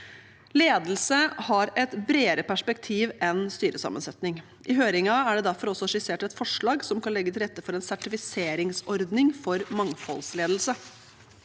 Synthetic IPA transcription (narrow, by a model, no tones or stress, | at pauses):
leːd̪l̩səhɑɾɛt̪bɾeːɾəpæʂpɛkt̪ʰiːʋɛnst̪yːɾəsɑ̰mə̰nsɛt̪nɪŋ | ʔɪɦøːɾɪŋɑæɖɛd̪æɾfɔɾɔsːɔʂɪseːʈɛt̪fɔʂɭɑːɡsɔmkɑnlɛɡːət̪ɪlɾɛt̪ːəfɔɾɛnsæʈɪfɪseːɾɪŋsɔɾd̪nɪŋfɔɾmɑŋfɔ̰lsleːd̪l̩sə